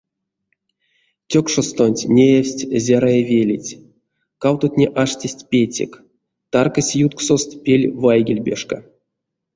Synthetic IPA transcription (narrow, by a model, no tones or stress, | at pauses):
tʲokʂost̪onʲtʲnʲejewʲsʲtʲzʲaɾajevʲelʲitʲ | kawt̪otʲnʲeʔaʂtʲesʲtʲpʲetʲḛk | t̪arkasʲjut̪ksost̪pʲelʲvajɡʲilʲbʲeʂka